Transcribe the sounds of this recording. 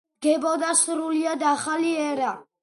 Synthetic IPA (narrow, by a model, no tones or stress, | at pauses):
ɡɛbɔd̪asɾuliad̪aχaliɛɾa